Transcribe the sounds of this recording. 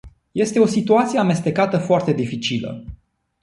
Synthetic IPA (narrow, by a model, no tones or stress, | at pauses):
je̞st̪e̞o̞sit̪uat̪sije̞ame̞st̪e̞kat̪əfoart̪e̞d̪ifit͡ʃilə̰